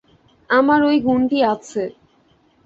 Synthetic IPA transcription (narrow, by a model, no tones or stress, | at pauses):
amaɾojɡʱuɳʈiat͡ɕʰe